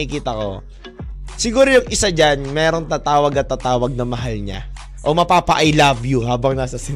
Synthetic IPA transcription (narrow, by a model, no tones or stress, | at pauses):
ɪkiːt̪ɐko̞̰ | sɪɡuːɾojʊŋʔɪsad͡ʒanmɛːɾo̞ŋt̪aːt̪aːwɐɡɐt̪aːt̪aːwɐɡ̚nɐmɐɦalɲa̰ | ʔo̞mɐpaːpɐʔɐjlabjuɦaːbɐŋnaːsɐsɪ